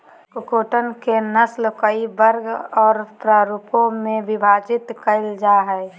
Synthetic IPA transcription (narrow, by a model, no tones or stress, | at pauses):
kʊkoːʈənkenəslkəiʋəɾɡɔːɾpɾaːɾupõmẽʋɪbʱaːd͡ʒɪt̪kəɪld͡ʒaːɦɛː